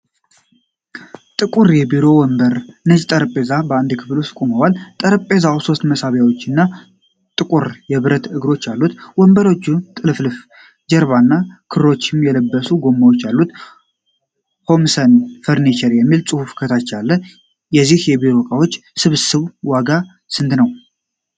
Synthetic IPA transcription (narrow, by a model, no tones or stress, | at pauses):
t̪ʼɨkʼuɾjɛbiɾo̞wɔmbəɾnəd͡ʒt̪ʼəɾpʼezabəand̪kʰɨfluskʼuməwalt̪ʼəɾpʼezauso̞st̪məsaβjawo̞t͡ʃːɨnːa | t̪ʼɨkʼuɾjɛβɨɾət̪ɨɡɾo̞t͡ʃːjalːut̪wɔmbəɾo̞t͡ʃːut̪ʼɨlɨflɨf | d͡ʒɛɾβanːakʰɨɾɾo̞t͡ʃːɪmjɛləbːəsuɡo̞mːawot͡ʃːalːut̪ | ho̞msənfəɾnit͡ʃɛɾjɛmːilsʼɨhufkʰət̪ʰat͡ʃːalːə | jɛzːihjɛbiɾo̞kʼawo̞t͡ʃːsɨβsɨβwaɡa | sɨnd̪nəw